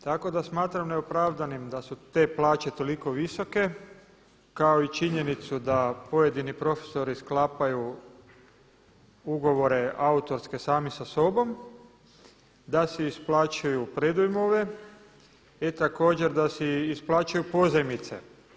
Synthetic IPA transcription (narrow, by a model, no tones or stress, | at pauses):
t̪ako̞d̪asmaːt̪ɾamneopɾaːʋd̪animd̪asut̪e̞ːplaːt͡ʃe̞t̪o̞liko̞ʋiso̞ke̞ | kao̞it͡ʃiɲe̞nit̪sud̪apo̞je̞d̪inipɾo̞fe̥so̞ɾisklaːpaju | uɡo̞ʋo̞ɾe̞aut̪o̞ɾske̞saːmisaso̞bo̞m | d̪asiisplaːt͡ʃajupɾed̪ujmoʋe̞ | it̪ako̞ːd͡ʑe̞ɾd̪asiisplˠaːt͡ʃajupo̞zemit̪se̞̰